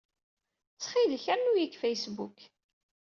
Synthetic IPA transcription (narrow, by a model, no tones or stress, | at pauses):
t͡sːχilçænujikfejsbṵk